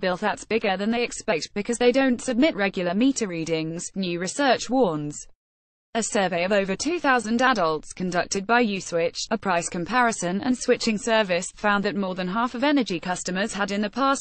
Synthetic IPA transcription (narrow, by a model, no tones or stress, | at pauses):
b̥ɪlˠʔ̚ðətsb̥ɪɡəðə̃nðeɪɨkspɛk̚t̚b̥ɨkʰʌzðeɪdə̃ʊ̃ntsəb̚mɪʔɹɛɡjl̩ˠəmiˑtəɹiːɾɪ̃ŋz̥njʉːɹɪsɜˑt͡ʃwɔːnz̥ | əsɜːveɪəvəʊvətʰʉːθaʊzə̃ndadəlˠtskʰə̃ndʌk̚tʰɪd̚baɪjʉːswɪt͡ʃəpʰɹ̥aɪskʰə̃mpʰaɹəsə̃nə̰̃nswɪt͡ʃɪ̃ŋsɜːvɪsfãʊ̃nðət̚mɔːðə̃nɦɑˑfəvɛnəd͡ʒikʰʌstəməz̥əɾɪ̃nðəpʰɑˑs